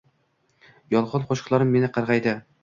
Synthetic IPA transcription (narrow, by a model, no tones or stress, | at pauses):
jɒlˠʁɑnqʰoʃqlˠaɾɪmːe̞nɪqʰɑɾʁɑjd̪ɪ